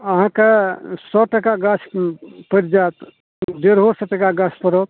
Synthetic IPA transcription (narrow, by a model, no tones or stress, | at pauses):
əɦãkesɔʈəkaɡat͡ʃʰpəɾd͡ʒat̪ | deɾɦoɾsəʈəkaɡasʰpəɾɔt̚